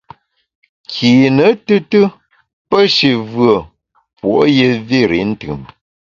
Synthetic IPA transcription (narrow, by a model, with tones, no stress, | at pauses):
kʰiː˨nə˨˦tɨ˦tɨ˦ | pə˦ʃi˨vɰə˨ | pwo̰˨ʔje˦vi˦˨ɾḭ˨˦n̩˦tɯ̰˨m